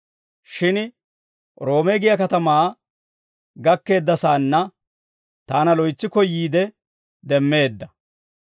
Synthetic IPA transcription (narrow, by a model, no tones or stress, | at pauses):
ʃɪn | ɾo̞ːmeɡɪjɐkɐt̪ɐmaː | ɡɐkːe̞ːd̪ːɐsaːnːɐ | t̪aːnɐlɔjt͡sːɪkɔjiːd̪ɛ | d̪ɛmːe̞ːd̪ːɐ